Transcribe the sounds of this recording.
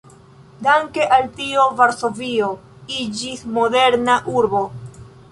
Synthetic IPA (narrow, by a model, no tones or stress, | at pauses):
daŋke̞ʔaltio̞vaɾso̞vio | id͡ʒismo̞de̞ɾnaʔuɾbo̞